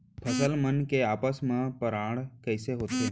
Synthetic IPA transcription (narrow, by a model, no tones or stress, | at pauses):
pʰəsəlmənkeaːpəsmãpəɾãːɽkəɪseɦoːt̪eː